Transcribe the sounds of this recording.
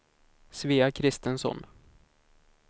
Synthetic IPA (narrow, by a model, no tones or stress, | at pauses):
sviːakʰɾɪst̪ənsɔ̰n